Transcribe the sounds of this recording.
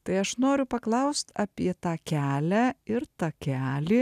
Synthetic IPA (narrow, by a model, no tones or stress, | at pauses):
t̪ɐɪɐʃnoːɾʲʊpɐklˠɐʊst̪ɑːpʲiɛt̪ɑːkʲæːlʲæɪɾt̪ɑːkʲæːlʲiː